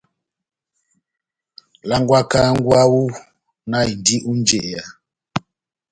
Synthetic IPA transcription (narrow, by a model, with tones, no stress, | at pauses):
la˦ŋɡwa˦ka˦ŋ˦ɡwa˦wu˦ | na˦i˨ndi˦ʔu˦n˦d͡ʒe˦˨ʔja˨